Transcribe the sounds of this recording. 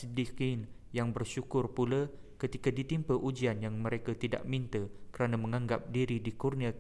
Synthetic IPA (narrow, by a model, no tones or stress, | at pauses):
dikin | jaŋbərʃukʊrpula | kət̪ikadit̪impəʔud͡ʒianjaŋməɾekat̪ida̰ʔmint̪əkəɾanamə̃ŋaŋɡap̚diɾidikurnia